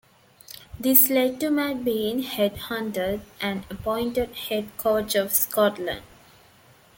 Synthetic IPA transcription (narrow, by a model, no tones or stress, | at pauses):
d̪isleɖ̚ʈumæɖ̚bĩːnheɖhʌ̃nʈəɖʔæ̃nəpɔ̃ɪ̃ɳʈeɖheɖkʰoːt͡ʃɔʋskɔʈlə̰̃ɳɖ